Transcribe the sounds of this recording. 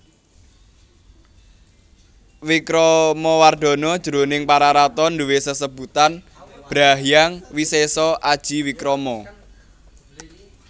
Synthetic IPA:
wikɾɔmɔward̪̥ɔ̤nɔd̥ʒ̥əɾo̤nɪŋpaɾaɾat̪ɔnd̪uwesəsəb̥ut̪an | b̥ɾaɦjaŋwisesɔʔad̥ʒ̥i̤wikɾɔmɔ

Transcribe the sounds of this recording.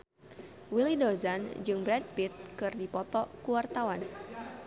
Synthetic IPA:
wilidozand͡ʒɨŋbɾɛd̚pit̪̚kɨrdipɔt̪ɔkuwart̪awan

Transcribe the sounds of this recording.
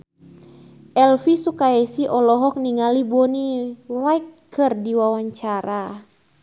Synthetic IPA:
ʔɛlfisukaɛsiʔɔlɔɦɔk̚niŋalibɔniwajkkɨrdiwawaɲt͡ʃaɾʔa

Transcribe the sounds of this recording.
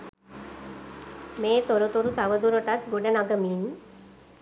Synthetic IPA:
meːt̪oɾut̪uɾut̪aʋəd̪uɾoʈat̪ɡuɖənaɡəmiːn

